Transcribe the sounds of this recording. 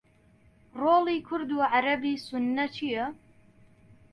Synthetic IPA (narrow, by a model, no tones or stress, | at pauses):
roːliːkʰʊɾd̪uːʕaɾɐbiːsʊnːɐt͡ʃʰijɐ